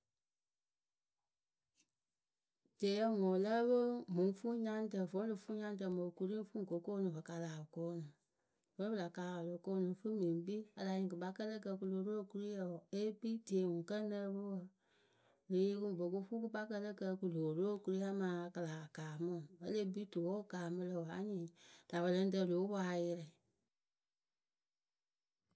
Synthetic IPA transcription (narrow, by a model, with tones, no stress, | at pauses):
d̥eː˨˦jə˧˦ŋɔ̃˨ləː˦bə˦mũ˨˦fu˦ɲã˦n˦tə˨võ˨˦lɨ˨fu˦ɲã˦n˦ə˧˨mo˨ku˦ɾĩ˦fũ˦˨ko˨˦koː˦nũ˨bə˨ka˧la˨koː˦nũ˨ | võ˨˦bɨ˦la˨kaː˨lo˨koː˦nũ˨˦fɨ˦mĩ˨˦bi˦a˧la˨˧ɲĩ˨kɨ˨ba˧˦kə˦lə˦kə˧ku˧lo˨˦ɾo˦˨ku˧ɾi˦ja˨e˦bi˦ti˨e˨ŋũ˨kə˦nə˧bə˦wə˧ | le˨je˧˦ku˦˨bo˨ko˧˦fu˦k̬ɨ˦ba˦kə˦˧lə˦kə˧ku˨loː˨ɾo˦˨ku˧ɾi˦a˦mãː˨˦˧kə˧laː˨a˨kaː˨mɔ̃˦˨bə˦le˦bi˦to˨o˦kaː˨mɨ̃˧lə˧˨wa˦ɲĩː˨d̥a˨bə˨lə˧˦n̩˦də˧˨loː˨˦waː˨˦jɛ˧ɾɛ˨